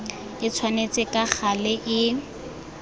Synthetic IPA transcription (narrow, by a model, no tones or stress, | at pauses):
ɪt͡sʰwanet͡sʼɪkʼak͡xʰalɪʔɪ